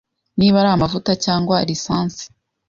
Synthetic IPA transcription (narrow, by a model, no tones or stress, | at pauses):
niːβaɾaamavutacaːŋɡwaɾisaːnsi̥